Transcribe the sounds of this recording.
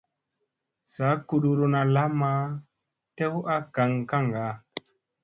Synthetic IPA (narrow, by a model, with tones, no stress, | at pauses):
sa˨˦ku˨ɗu˨ɾu˧na˧la˦ma˦ | tɛ˦wʔa˦ka˨ŋka˦˨ŋɡa˨˦